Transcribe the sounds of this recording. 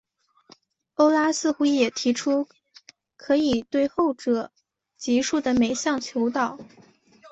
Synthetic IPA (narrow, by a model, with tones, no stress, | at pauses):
o˥ʊla˥sɹ̩˥˧xu˥˩jɛ˨˩t̪ʰi˧˥ʈ͡ʂʰu˥ | kʰɤ˧˥i˨˩t̪we˥˧ɪxo˥˩ʊʈ͡ʂɤ˨˩ | t͡ɕi˧˥ʂu˥˩d̪ə˩me˨˩ɪɕjɑ˥˩ŋt͡ɕʰjo˧˥ʊt̪ɑ˨˩˦ʊ